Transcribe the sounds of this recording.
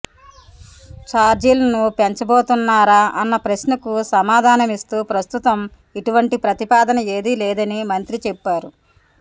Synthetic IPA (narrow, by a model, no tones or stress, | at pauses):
t͡ʃaːɾd͡ʒilɐnupeɲt͡ʃɐboːt̪unːaːɾaːʔɐnːɐpɾɐsnɐkusɐmaːd̪ʱaːnɐmist̪uːpɾɐst̪ut̪ɐm | iʈuʋɐɳʈipɾɐt̪ipaːd̪ɐnɐeːd̪ilɛːd̪ɐnimɐnt̪ɾit͡ʃɛpːaːɾu